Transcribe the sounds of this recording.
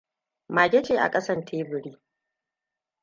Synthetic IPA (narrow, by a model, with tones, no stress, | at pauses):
maː˨ɡʲɛ˦t͡ʃeː˨ʔa̰˨kʼɐ˦sɐ˦ntʰeː˦bɪ˨ɾiː˦